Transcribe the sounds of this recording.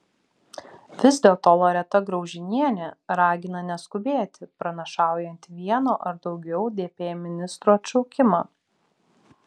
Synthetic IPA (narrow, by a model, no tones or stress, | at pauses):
ʋʲɪzʲd̪ʲeːlˠt̪oːlˠoɾʲɛt̪ɐɡɾɒʊʒʲɪnʲiɛnʲɛɾɑːɡʲɪnɐnʲɛskʊbʲeːt̪ʲɪpɾɐnʲɐʃɑˑʊjɛnʲt̪ʋʲiɛnoːʔɐɾd̪ɒʊɡʲɛʊd̪ʲeːpʲeːjmʲɪnʲɪst̪ɾuɐt̪ʲt͡ʃɔʊkʲɪmɑː